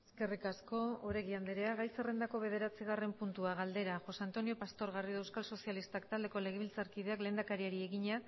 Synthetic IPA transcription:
eske̞rikasko̞oɾe̞ɣiand̪eɾe̞aɣajse̞re̞nd̪ako̞βe̞ð̞e̞ɾat͡siɣ̞are̞mpunt̪uaɣald̪e̞ɾaʝo̞sant̪o̞nio̞past̪o̞ɾɣariðoewskalso̞sialist̪akt̪ald̪e̞ko̞le̞ɣeilt͡saɾkið̞e̞akleːnd̪akaɾieɾie̞ɣiɲa

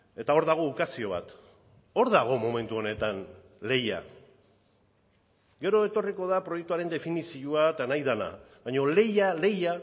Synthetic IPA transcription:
e̞t̪ao̞ɾðaɣ̞o̞ukasio̞β̞a̰t̪ | o̞ɾðaɣ̞o̞mo̞me̞nt̪uo̞ne̞t̪an | le̞ja̰ | ɡe̞ɾo̞e̞t̪o̞riko̞ðapɾo̞jek̚t̪uaɾe̞nd̪e̞finisiuat̪najðana̰ | βajɲo̞le̞jale̞ja

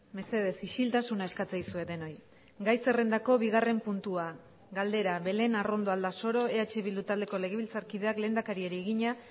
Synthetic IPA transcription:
me̞se̞ðe̞siʃilt̪asunae̞skat͡sajsue̞ðe̞no̞j | ɡajse̞re̞nd̪ako̞βiɣ̞are̞mpunt̪ua | ɡald̪e̞ɾaβe̞le̞naro̞nd̪o̞ald̪aso̞ɾo̞e̞at͡ʃe̞βild̪ut̪ald̪e̞ko̞le̞ɣ̞e̞βilt͡saɾkið̞e̞akle̞ːnd̪akaɾieɾieɣiɲa

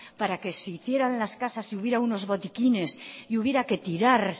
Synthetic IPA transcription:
paɾake̞siiθje̞ɾanlaskasasiuβ̞je̞ɾauno̞zβo̞t̪ikine̞siuβje̞ɾake̞t̪iɾaɾ

